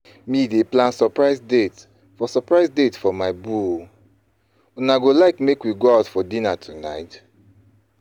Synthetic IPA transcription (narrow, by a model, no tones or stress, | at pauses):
mideplãnsɔpɹaɪsdet | fɔsɔpɹaɪsdetfɔmaɪbu | unaɡolaɪkmekwiɡoaʊtfɔdĩnatʰuna̰ɪt